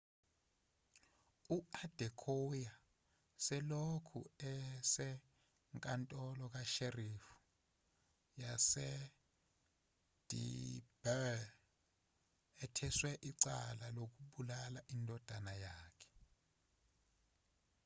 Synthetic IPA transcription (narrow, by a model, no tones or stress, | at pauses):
uad̥ʱɛkʰoja | sɛlokʰṵɛsɛ | ŋkʼantʼɔlɔk̬aʃerifu̥ | jasɛ | d̥ʱḭb̥ɛ | ɛtʰɛswɛʔiǀalalok̬uɓulalaʔindʱɔd̥ʱanajaːkʰɛ̥